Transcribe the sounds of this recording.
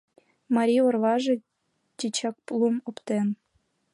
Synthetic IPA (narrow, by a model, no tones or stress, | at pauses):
mɑɾʲiorʋɑʐɤ̆ | t͡ɕʲit͡ɕɑk̚plˠumŏpt̪en